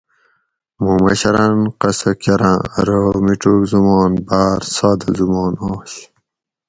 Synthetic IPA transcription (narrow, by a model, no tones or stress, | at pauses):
mumɐ̰ɕɐɾanqɐsɐkɐɾã̰ɾomiʈokzumɑːnbaːɾsɑːd̪ɐzumɑːnoːɕ